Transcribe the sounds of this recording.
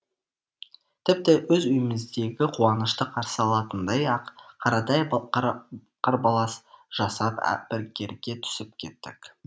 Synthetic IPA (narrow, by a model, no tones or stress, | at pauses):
t̪ʰɪp̚t̪ɪwɵzʏjɪmɪzd̪e̞ɡʲɪqʰuɑnəʃt̪əqʰɑɾsəɑlˠɑt̪ənd̪ɑjɑqqʰːɑɾɑt̪ɑj | qɑɾbɑlˠɑsʒ̥ɑsɑpæ̰bɪɾɡʲe̞ɾɡʲe̞t̪ʰʏ̥sɪp̚kʲʰe̞t̪ːɪ̰k